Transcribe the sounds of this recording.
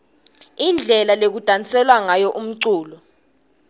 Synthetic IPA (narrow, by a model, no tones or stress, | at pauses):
ind͡ɮʱɛlalek̬ud̥ʱant͡sʼɛlwaŋajɔʔum̩ǀuːlɔ